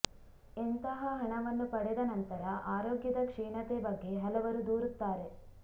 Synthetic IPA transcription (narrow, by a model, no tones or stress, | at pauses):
ent̪ɐɦɐɦɐɳɐʋɐnːupɐɽed̪ɐnɐnt̪ɐɾɐʔaːɾoːɡjɐd̪ɐkʂɛːɳɐt̪ebɐɡːe̞ɦɐlɐʋɐɾud̪uːɾut̪ːaːɾe